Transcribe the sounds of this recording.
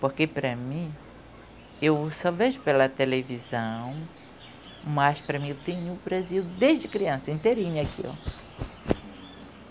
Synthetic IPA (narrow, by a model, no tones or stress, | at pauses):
poɾkepɾɐmĩ | ewsɔveʒʊpelɐt̪elevizɐ̃w̃ | mɐspɾɐmĩewt̪ẽɲʊʊbɾaziwd̪ezd͡ʒɪkɾiɐ̃sɐĩnt̪eɾĩɲʊakʰḭo̰